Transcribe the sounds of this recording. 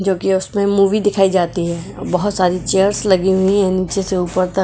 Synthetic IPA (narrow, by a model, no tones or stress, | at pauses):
d͡ʒoːkiʊsmẽmuːʋid̪ɪkʰaːid͡ʒaːt̪iɦɛːɔ̰bɐɦʊt̪saːɾit͡ʃejəɾslɐɡiɦʊiɦɛ̃niːt͡ʃeseuːpəɾt̪ə